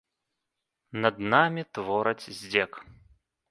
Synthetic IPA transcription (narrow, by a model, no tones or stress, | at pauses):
nɐd̪namʲit̪vɔɾɐt͡sʲzʲd͡zʲɛk